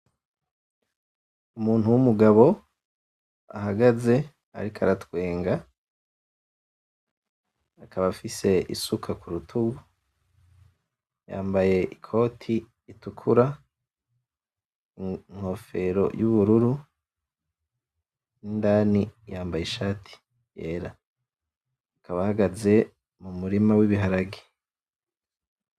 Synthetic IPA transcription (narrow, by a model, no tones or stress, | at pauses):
umuːn̥huwumuɡaβo̞ | a̰ɦaɡaze̞ | a̰ɾikʰaɾatwe̞ːŋɡa | akʰaβafise̞ḭsukʰakʰuɾutʰuɡu | ja̰ːmbaje̞ʔikʰo̞ːtʰiː | tukʰuɾa | ŋ̥ho̞feɾo̞̰juβuɾuɾu | indaːnijaːmbajeʃaːtʰi̥ | jeːɾa | kaβahaɡaze̞ | mumuɾimawiβiɦaɾaɡi̥